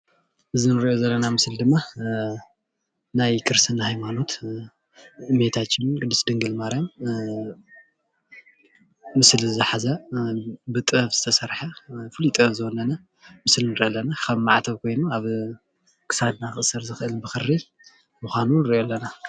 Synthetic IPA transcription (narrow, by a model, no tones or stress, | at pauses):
ʔɨzinɨɾiʔo̞zɐlːɐnamɨsld̪ɨmːa | najkʰɨɾsɨnhajmano̞t̪ | ɨmet̪ʰat͡ʃːɪnɡɨd̪ːɨsd̪ɨŋɡɨlmaɾjam | mɨslzzɨħazɐ | bɨt̪ʼɨɐfz̥ɨ̥t̪ʰɐsɐɾħafɨlit̪ʼɨzɨɔnːɐna | mɨslnɨɾʔɐlːɐnakʰɐβmaʕt̪ʰɐβkʰo̞jnuaβ | kʰɨ̥sad̪̚naxɨʔsɐɾzɨxɨʔɨlbɨxɨrːi | muxʷanunɨɾjolːɐna